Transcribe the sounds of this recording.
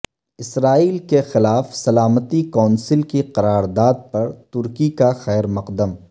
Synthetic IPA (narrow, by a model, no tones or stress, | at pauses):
ɪsɾaːiːlkexɪlaːfsɐlaːmət̪ikɔ̃ːnsɪlkiqɐɾaːɾd̪aːd̪̚pɐɾt̪ʊɾkikaxɛːɾmɐqd̪əm